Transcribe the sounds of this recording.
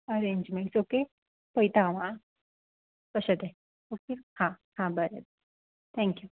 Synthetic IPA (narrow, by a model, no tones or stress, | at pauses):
əɾẽɲd͡ʒmẽɳsoke | pəjt̪aʋã | pəɕət̪ẽ | okehãhãbəɾə̰bə | t̪ʰɛ̃ŋkju